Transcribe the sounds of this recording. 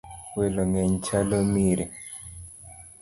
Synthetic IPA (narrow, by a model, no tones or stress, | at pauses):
weloŋɛɲt͡ʃalomiɾe